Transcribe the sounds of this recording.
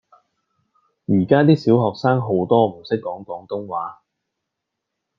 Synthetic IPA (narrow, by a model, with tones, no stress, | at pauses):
jiː˨˩kaː˥t̪iː˥siː˨˥wɦɔː˨k̚saː˥ŋɦo˨˥wt̪ɔː˥m̩˨˩sɪ˥kːɔː˨˥ŋkɔː˨˥ŋt̪ʊ˥ŋwaː˨˥